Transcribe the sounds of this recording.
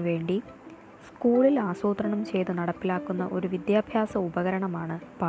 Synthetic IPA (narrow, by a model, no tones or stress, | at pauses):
ʋe̞ːɳɖi | skuːɭilaːsoːt̪rɐɳɐmt͡ɕe̞jt̪unɐɽɐpːilaːkːunːɐ̰ʔo̞ɾuʋid̪jaːbʱjaːsɐubɐɣɐɾɐɳɐmaːɳɨpa